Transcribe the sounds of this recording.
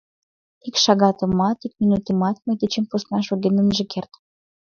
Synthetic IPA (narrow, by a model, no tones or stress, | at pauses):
ikʃɑɣɑt̪ə̆mɑt̪ik̚mʲinut̪əmɑt̪mejd̪et͡ɕempusnɑʃoɣenə̆mʒĕkʰert̪